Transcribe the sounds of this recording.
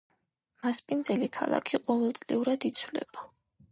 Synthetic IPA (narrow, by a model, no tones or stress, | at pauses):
maspʼind̪zɛlikʰa̰lˠa̰kʰiqʼɔvɛlˠt̪sʼlḭuɾad̪it̪sʰwlɛ̰ba